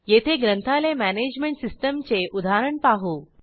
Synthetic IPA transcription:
jet̪ʰeɡɾənt̪ʰalemæned͡ʑmeɳʈsisʈəmt͡seʔud̪ʱaɾəɳpaɦuː

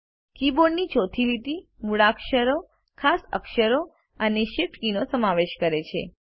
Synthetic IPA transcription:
kiboɖnit͡ʃot̪ʰilit̪imuɭakʃəɾo | kʰasə̰kʃəɾo | əneʃeʈkinosəmaʋeʃkəɾet͡ʃʰḛ

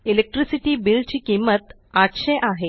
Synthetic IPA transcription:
ilek̚ʈɾisiʈibilt͡ɕikimːɐt̪ | akɕɐjʔaːɦe

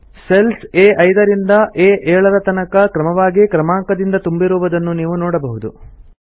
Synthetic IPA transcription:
selseːʔɐjd̪ɐɾind̪ɐʔeːʔɛːɭɐɾɐt̪ɐnɐkɐkɾɐmɐʋaːɡikɾɐmaːŋkɐd̪ind̪ɐt̪umbiɾuːʋɐd̪ɐnːuniːʋunɔːɽɐbɐɦud̪ṵ

